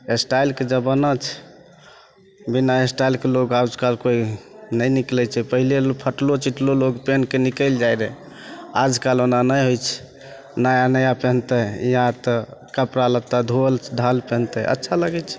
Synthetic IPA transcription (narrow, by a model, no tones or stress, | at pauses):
esʈajlked͡ʒəbənət͡ʃʰ | binaesʈailkeloɡad͡ʒkalkoinəjniklɛt͡ʃʰɛpəɦilepʰəʈlot͡ʃiʈloloɡpenkenikəɪld͡ʒajɾɛ | ad͡ʒkalonanəjɦojt͡ʃʰɛ̥ | najanəjapə̃nt̪əiãt̪əkəpɾalət̪ad̪ʱolɖʱalpɛ̃nt̪əə̰tːʃʰaləɡɛt͡ʃʰɛ̥